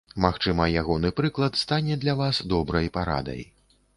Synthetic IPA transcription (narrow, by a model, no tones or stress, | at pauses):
maxt͡ʂɨmɐjaɣɔnɨpɾɨklˠɐt̪st̪anʲɛd̪lʲavasd̪ɔbɾɐjpaɾa̰d̪ɐ̰j